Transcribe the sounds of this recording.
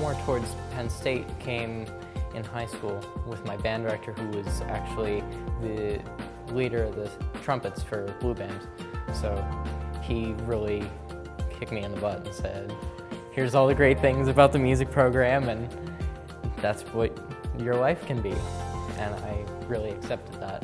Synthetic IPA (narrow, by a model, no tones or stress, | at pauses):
mɔɹtʰɔɹdz̥pʰɛ̃nsteɪt̚kʰẽɪ̃m | ʔɨ̃nhaɪskulˠwɪðmaɪbæ̃ndə˞ɛk̚tʰə˞huwʌzæ̰k̚t͡ʃul̩ˠiðɨ | liɾə˞ʌvðɨtʰɹ̥ʌ̃mpɨtsfə˞b̥lubæ̃nd̥soʊ | iɹɪlˠi | kʰɪk̚t̚miɨ̃nðəbʌɾn̩sɛd̥̚ | hɪɹzɔlˠðɨɡɹeɪt̪̚θɪ̃ŋzɨbaʊt̪̚ðɨmjʉzɨk̚pʰɹ̥oʊɡɹæ̃mɨ̃n | ðætswʌt͡ʃə˞waɪfkʰɨ̃nbiʔɨ̃na̰ɪɹɪlˠiɨksɛp̚tʰɨd̪̚ðæ̰t̚